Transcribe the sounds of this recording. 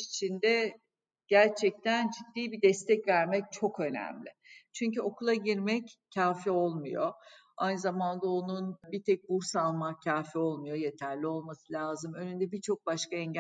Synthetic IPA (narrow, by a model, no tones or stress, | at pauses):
ʃit͡ʃʰind̪ɛ | ɟ̥æɾt͡ʃʰɛc̚t̪ʰænd͡ʒid̪ːiːbid̪ɛst̪ʰɛcvæɾmɛc̚t͡ʃʰo̞kø̞næ̰mlʲɪ̰t͡ʃʰyɲcyo̞kulˠaɟiɾmɛccʰːaːfio̞lˠmujo̞ | ajnɯzamand̪ao̞nunbit̪ʰɛc̚buɾsalˠmacʰaːfio̞lˠmujo̞je̞t̪ʰæɾlʲio̞lˠmasɯlʲaːzɯmø̞nynd̪ɛbit͡ʃʰo̞k̚baʃkaɛɲɟ